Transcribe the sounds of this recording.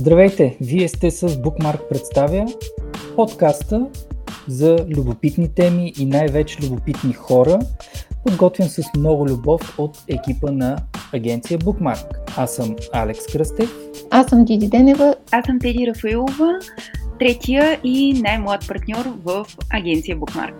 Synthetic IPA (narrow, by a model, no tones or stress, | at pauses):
zd̪ɾɐvɛjt̪ɛviɛst̪ɛsəzbukmaɾk̚pɾɛt̪st̪avʲjəpot̪kast̪əzɐlʲubopit̪nit̪ɛmiʔinajvɛt͡ʃɛ̥lʲubopit̪nixɔɾəpod̪ɡɔt̪vjəmsəsmnɔɡʊlʲubɔfot̪ɛk̟ʲipənɐːɡʲɛnt̪sijəbukma̰ɾkasəmalɛkskɾəst̪ɛfasəmd̪ʲid̪ʲid̪ɛnɛvəasəmt̪ɛd̪ʲiɾəfɐilˠovət̪ɾɛt̪ʲʰijəʔinajmlˠajət̪̚pɐɾt̪nʲɔɾvəfɐɡʲɛnt̪sijəbukma̰ɾk